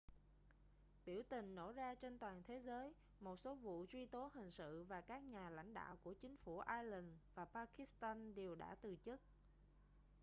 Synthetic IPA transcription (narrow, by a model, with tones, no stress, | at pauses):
ɓi˧˩əwt̪ï˨˩ŋ̟no̰˧˩zaː˧t͡ɕe˧nt̪waː˨˩nt̪ʰe˨˦zəː˨˦j | mo˨˩t̚so˨˦vṵ˧˨t͡ɕwi˧t̪o˨˦ɦï˨˩ŋ̟sɨ̰˧˨vaː˨˩kaː˦˥k̚ɲaː˨˩la̰˧˥jŋ̟ɗa̰ː˧˨wku˧˩ət͡ɕï˨˦ŋ̟fu˧˩ʔaː˧jli˨˩nvaː˨˩paː˧ki˨˦˥st̪aː˧nɗe˨˩wɗa̰ː˧˥t̪ɨ˨˩t͡ɕɨ˦˥k̚